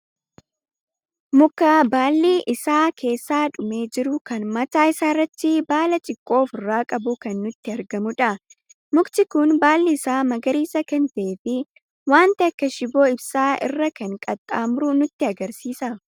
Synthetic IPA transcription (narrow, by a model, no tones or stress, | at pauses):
mʊkːaːbaːlːiːʔɪsaːkʰe̞ːsːaːᶑʊme̞ːd͡ʒɪɾʊkɐnmɐt̪aːɪsaːrːɐt̪ːɪbaːlɐt͡ʃʼɪkʼːo̞ːfɪrːaːkʼɐbʊkɐnːʊt̪ːɪɐɾɡɐmʊᶑɐ | mʊkt̪ɪkʊnbaːlːiːsaːmɐɡɐɾiːsɐkɛnt̪ɐʔeːfɪ | waːnt̪ɪɐkːɐʃɪboːɪbsaːɪ̰rːɐkɐŋkʼɐt̪ʼːaːmɾʊnʊt̪ːɪɐɡɐɾsiːsɐ